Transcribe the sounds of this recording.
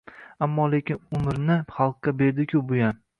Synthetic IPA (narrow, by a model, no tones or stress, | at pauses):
amːɒle̞kʲɪnʊmɪɾnɪχɑlˠq̚ːʲabe̞ɾd̪ɪkʲʰʊbojan